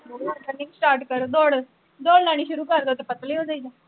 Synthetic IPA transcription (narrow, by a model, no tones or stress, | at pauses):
oaːt̪ənɪ̃ŋsʈaːɾʈkəɾd̪ɔːɽ | d̪ɔːɽnaːɽ̃iːʃʊɾuːkəɾd̪eːʊt̪ːeːpət̪liːɦoːd͡ʒaːiːd͡ʒaː